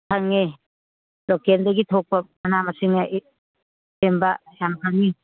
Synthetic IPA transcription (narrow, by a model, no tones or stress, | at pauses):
kʰaŋːe | lokendɐɡitʰok̚pɐmɐnamɐsiŋɐʔ | embɐjamkʰaŋːi